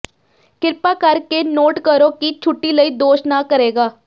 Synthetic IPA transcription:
kɪɾpaːkəɾkeːnoːʈkəɾoːkit͡ʃʰʊʈːiːləiːd̪oːʃnaːkəɾeːɡaː

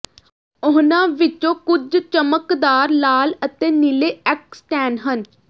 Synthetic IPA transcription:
ʊɦnãːʋɪt͡ʃõːkʊd͡ʒt͡ʃəməkd̪aːɾlaːlət̪eːnɪleːɛksʈɛːnɦən

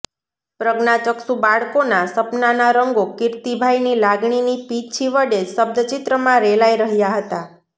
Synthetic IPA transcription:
pɾəɡnat͡ʃəksubaɭkonasəpnanaɾəŋɡokɪɾt̪ibʱajnilaɡɳinipit͡ʃʰiʋəɽesəb̚d̪ət͡ʃɪt̪ɾəmãɾelaiɾəɦjaɦət̪a

